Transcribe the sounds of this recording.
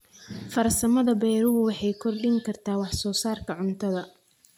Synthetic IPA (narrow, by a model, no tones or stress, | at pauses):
fɐrsɐmɐðɐbɛːɾʊɣʊwɑħɑjkʰɔrɖɪŋkʰɐrt̪ʰaːwɑħsɔːsaːrkʰɐʕʊnt̪ʰɐðɐ